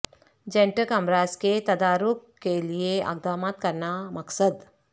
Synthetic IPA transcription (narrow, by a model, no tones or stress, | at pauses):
d͡ʒẽɳʈəkɐmɾaːsket̪ɐd̪aːɾʊkːelieɐ̰ɡ̚d̪aːmaːt̪̚kɐɾnamɐksəd̪